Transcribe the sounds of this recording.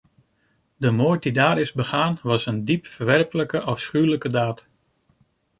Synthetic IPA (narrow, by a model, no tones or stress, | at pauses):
dəmoːɹt̚didaːɾɪzbəχaːnʋɑsəndipfəɹʋɛrpələkəʔɑfsχywləkədaːt